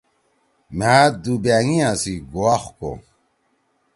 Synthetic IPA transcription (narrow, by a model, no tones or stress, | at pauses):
maːd̪ubæːŋijãsiɡoaxko̰